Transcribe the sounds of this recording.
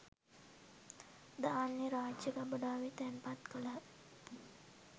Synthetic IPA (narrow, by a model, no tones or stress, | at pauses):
d̪aːnjeɾaːd͡ʒəkabəɖaːʋit̪ɛmpat̪kəla